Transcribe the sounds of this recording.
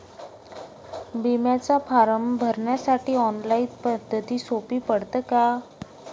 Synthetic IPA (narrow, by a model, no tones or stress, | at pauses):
bimjat͡sapʰaɾəmbʱəɾɳjasaʈiːɔnlait̪pəd̪ʱːət̪iːsopiːpəɽt̪əka